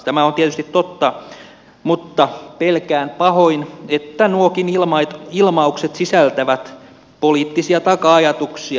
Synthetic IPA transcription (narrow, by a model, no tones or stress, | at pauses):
t̪æmæont̪iet̪yst̪it̪tot̪ːɑ | mut̪ːɑpelkæːnpɑhoinet̪ːænuokinilmɑit̪ilmɑukset̪sisælt̪æʋæt̪ | poliːt̪ːisiɑt̪ɑkɑɑjɑt̪uksiɑ